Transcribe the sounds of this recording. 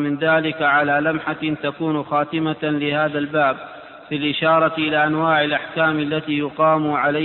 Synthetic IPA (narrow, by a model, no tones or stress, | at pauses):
mɪnðaːlɪkaʕalaːlamħat̪akuːnxaːt̪ɪmalɪhaːðalbaːb̚ | filʔɪʃɑːɾˤɑʔɪlaːʔanwaːʕɪlʔaħkaːmalːat̪iːjʊqɑːmʕala